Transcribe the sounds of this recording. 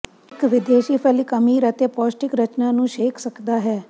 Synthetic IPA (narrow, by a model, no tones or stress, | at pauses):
ɪkʋɪd̪eːʃiːpʰəlikəmiːɾət̪eːpɔːsʈɪkɾət͡ʃnãːnũːʃeːkʰsəkd̪aːɦɛː